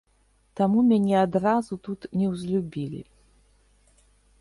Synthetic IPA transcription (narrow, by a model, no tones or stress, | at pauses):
t̪amumʲanʲɛad̪razut̪ut̪nʲɛwzʲlʲubʲilʲḭ